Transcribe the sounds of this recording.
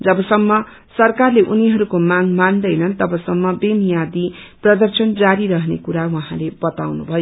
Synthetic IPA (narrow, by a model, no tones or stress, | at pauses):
d͡zʌbʌsʌmːʌ | sʌrkarleʔuniɦʌɾukomaŋmand̪ʌjnʌnt̪ʌbʌsʌmːʌbemjad̪i | prʌd̪ʌrsʌnd͡zaɾiɾʌɦnḛkuɾawʌɦãlebʌt̪awnubʱʌjo